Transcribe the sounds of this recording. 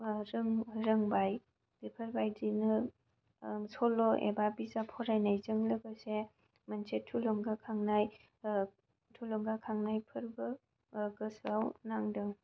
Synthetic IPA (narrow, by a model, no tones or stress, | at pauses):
ɾɯŋɾɯŋbaj | d̥ipʰəɾbajdinɯ | sɔlɔʔḛbabizapʰɔɾajnajzɯŋlɯɡɯse | mansetʰulɔŋɡakʰaŋnaj | tʰulɔŋɡakʰaŋnajpʰɯɾbɯ | ɡɯsawnaŋdɯŋ